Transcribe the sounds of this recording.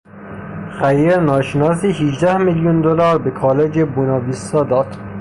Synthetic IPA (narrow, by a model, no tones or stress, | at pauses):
xæjeɾnɒːʃenɒːsiːhiʒd̪æhmiljund̪olɒːɾbekʰɒːled͡ʒebunɒːbiːsɒːd̪ɒːd̪̥